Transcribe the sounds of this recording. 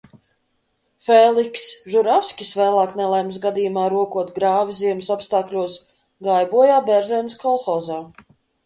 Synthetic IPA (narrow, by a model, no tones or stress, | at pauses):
fɛlˠiksʒuɾafsʲkʲisvɛːlˠaːknɛlˠɛjms̬ɡad̪ijumaːɾuɔkuɔt̪ɡɾaːviziɛmsɔpst̪aːklʲuɔs | ɡajbuɔjaːbʲɛɾzʲɛnskʰɔlˠxɔːzaː